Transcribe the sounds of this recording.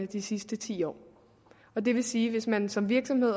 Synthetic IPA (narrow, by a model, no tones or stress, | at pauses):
əd̥isisd̥ət͡sʰḭːɒ̰ː | ɒ̽d̥e̝ʋe̝siːʋe̝smænsɒ̽mʋiɐɡ̥sɒ̽mhe̝ð̰ˠ